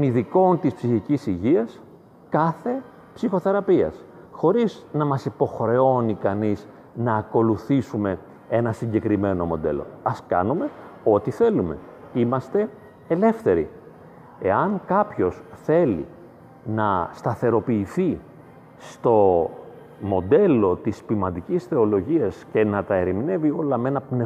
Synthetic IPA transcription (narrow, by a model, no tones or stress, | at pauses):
t̪oniðiko̞nt̪ispsiçicisiʝiɐs | kɐθe̞ | psixo̞θe̞ɾɐpiɐ̰s | xo̞ɾiznɐmɐsipo̞xɾe̞o̞nikɐniz | nɐːko̞luθisume̞ | e̞nɐsiɲɟe̞kɾime̞no̞mo̞̰d̪e̞̰lo̞̰ɐskɐ̰nume̞o̞t̪iθe̞lume̞̰imɐst̪e̞ | ele̞fθe̞ɾḭ | e̞ɐŋkɐpço̞sθe̞lḭ | nɐst̪ɐθe̞ɾo̞piːθi | st̪o̞ | mo̞d̪e̞lo̞t̪ispimɐnd̪icisθe̞o̞lo̞ʝiɐsce̞nɐt̪ɐeɾimine̞vio̞lɐme̞nɐpne